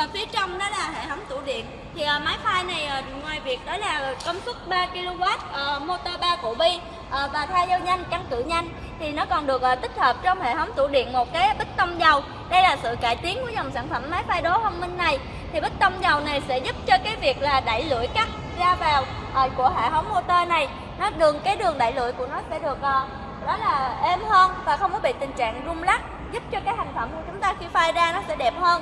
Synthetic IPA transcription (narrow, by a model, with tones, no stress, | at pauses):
fi˨˦ət͡ɕɔ˧wŋ͡mnɔ˨˦laː˨˩ɦḛ˧˨t̪ʰə˨˦wŋ͡mt̪ṵ˧˩ɗḭ˧˨ən | t̪ʰi˨˩ʔəː˨˩maː˨˦jfaː˧jna˨˩jʔəː˨˩ | ŋwaː˨˩jvi˨˩ək̚ɗɔ˨˦laː˨˩˨kə˧wŋ͡msʊ˦˥t̚ɓaː˧ki˧lo˧ɣaː˦˥t̚ʔəː˨˧˩mo˧t̪aː˧ɓaː˧kṵ˧˩ɓi˧ | ʔəː˨˩vaː˨˩t̪ʰaː˧zə˧wɲa˧jŋka˧ŋkɨ̰˧˨ɲa˧jŋ̟ | t̪ʰi˨˩nɔ˨˦kɔ˨˩nɗɨ˨˩ək̚ʔːt̪k̟̚həː˨˩p̚t͡ɕɔ˧wŋ͡mhḛ˧˨t̪ʰə˨˦wŋ͡mt̪ṵ˧˩ɗḭ˧˨ənmo˨˩t̚kaː˨˦jɓə˦˥k̚t̪ə˧wŋ͡mzə˨˩w | ɗə˧jlaː˨˩sɨ̰˧˨ka̰ː˧˩jt̪i˨˦nku˧˩əzə˨˩wŋ͡msaː˧˩nfə˧˩mːaː˨˦jfaː˧jɗɔ˨˦hə˧nmï˧ŋ̟ːa˨˩j | t̪ʰi˨˩ɓə˦˥k̚t̪ə˧wŋ͡mza˨˩wna˨˩jsɛ̰˧˥zʊ˦˥p̚t͡ɕɔ˧kaː˨˦jvi˨˩ək̚laː˨˩ɗa̰ː˧˨jlɨ̰˧˨əjkaː˦˥k̚ | zaː˧vaː˨˩w | ʔəː˨˩ku˧˩əɦḛ˧˨hə˨˦wŋ͡mmo˧t̪əː˧na˨˩j | nɔ˨˦ɗɨ˨˩əŋkaː˨˦jɗɨ˨˩əŋɗa̰ː˧˨jlɨ̰˧˨əjku˧˩ənɔ˨˦sɛ̰˧˥ɗɨ˨˩ək̚ʔː | ɗɔ˨˦laː˨˩ʔe˧mhəː˧nvaː˨˩xə˧wŋ͡mkɔ˨˦ɓḭ˧˨t̪ï˨˩ŋ̟t͡ɕa̰ː˧˨ŋzʊ˧ŋ͡mla˦˥k̚ | zʊ˦˥p̚t͡ɕɔ˧kaː˨˦jha˨˩jŋ̟fə˧˩mku˧˩t͡ɕʊ˨˦ŋ͡mt̪aː˧xi˧faː˧jzaː˧nɔ˨˦sɛ̰˧˥ɗɛ˨˩p̚həː˧n